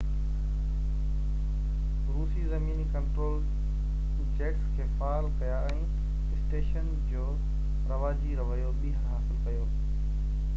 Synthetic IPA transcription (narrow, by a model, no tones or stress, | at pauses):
ɾuːsizɐmiːnikɐ̃ɳʈɾoːl | t͡ɕeːkskʰeːfaːlkɐjaɛ̃ː | ɪsʈeːʃən | d͡ʑoː | ɾɐʋaːd͡ʑiɾɐʋəjoɓiːɦəɾɦaːsɪlkɐjoː